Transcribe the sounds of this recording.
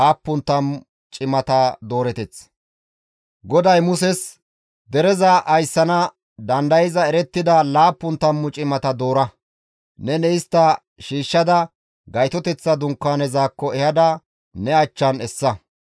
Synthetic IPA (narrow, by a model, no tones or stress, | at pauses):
aːpːʊnt̪ɐmʊ | t͡ʃʼɪmɐt̪ɐd̪o̞ːɾɛt̪ɛt͡s | ɡɔd̪ɐjmʊsɛs | d̪ɛɾɛzɐʔɐjsːɐnɐ | d̪ɐnd̪ɐjɪzɐɛɾɛt̪ːɪd̪ɐlaːpːʊnt̪ɐmːʊt͡ʃʼɪmɐt̪ɐd̪o̞ːɾɐ | nɛnɛɪst̪ːɐ | ʃiːʃːɐd̪ɐ | ɡɐjt̪ɔt̪ɛt͡sːɐd̪ʊŋkːaːnɛzaːkːɔɛhɐd̪ɐ | nɛɐt͡ʃːɐnɛsːɐ